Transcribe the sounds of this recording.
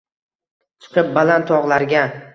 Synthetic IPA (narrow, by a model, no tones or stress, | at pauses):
t͡ʃʰɨ̥qʰɨp̚balant̪ʰɒʁlˠaɾɡʲa